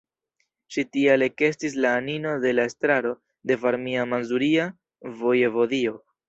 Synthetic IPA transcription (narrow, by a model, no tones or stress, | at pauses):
ʃitiale̞ke̞stis̬laːnino̞de̞lae̞stɾaɾo̞ | de̞vaɾmiamanzuɾia | vo̞jevo̞dio̞